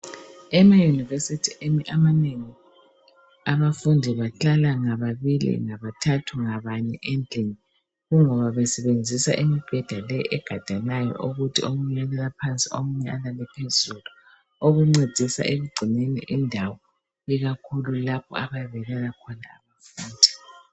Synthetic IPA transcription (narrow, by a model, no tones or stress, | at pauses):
ɛmajunivesitʰiʔemiʔamaneŋi | aβafundʱiβaɬalaŋaβaβilḭŋaβatʰatʰuŋaβaɲɛʔend͡ɮʱʼiŋi | ɣuŋɔβaβɛsɛβend͡zʱisa̰ʔimib̥ʱɛd̥ʱalɛɛɡ̥ʱad̥ʱanajɔ̰ʔuɣutʰiomuɲɛalalapʰant͡sʼiomuɲɛʔalalɛpʰezulu | oɣuŋ͡ǀed̥ʱisa̰ʔeɣuɡ͡ǀʱinenḭʔindʱawɔ | iɣakʰululapʰɔ̰aβajβɛɣɛlakʰɔnaːβafuːndʱi̥